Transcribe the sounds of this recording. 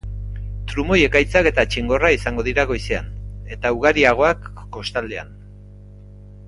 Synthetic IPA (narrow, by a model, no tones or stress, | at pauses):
t̪ɾumo̞je̞kajt͡sake̞t̪at͡ʃiŋɡo̞raisaŋɡo̞ð̞iɾaɣo̞jseane̞t̪auɣaɾiaɣ̞o̞akː | o̞st̪ald̪ea̰n